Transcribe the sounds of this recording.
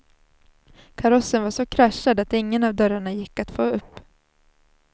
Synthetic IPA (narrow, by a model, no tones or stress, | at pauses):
kʰaɾɔsənvaʂɔkʰɾaʃːad̪at̪ɪŋːənavd̪œɾaɳajɪkːat̪foːɵpː